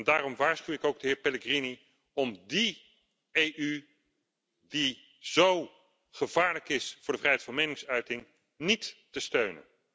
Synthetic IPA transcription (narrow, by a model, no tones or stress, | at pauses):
ndaːɾɔmʋaːɹsχywɪkowɡ̚dəɦɪːɹpɛləɡrini | ɔmdi | ejʔy | di | z̥ow | χəvaːɹləkɪsfʊːɹdəvrɛjɦɛjtfɑnmejnɪŋsœɥtɪŋ | nitː | əstøɥnə̰n